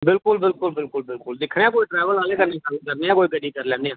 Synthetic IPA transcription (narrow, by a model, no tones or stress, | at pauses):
bɪlkʊlbɪlkʊlbɪlkʊlbɪlkʊld̪ɪkʰneːãːkoːiːʈɾɛːʋəlaːleːkəɾneːsaːlːkəɾneːaːkoːiːɡəɖiːkəɾlɛ̃ːndeːãː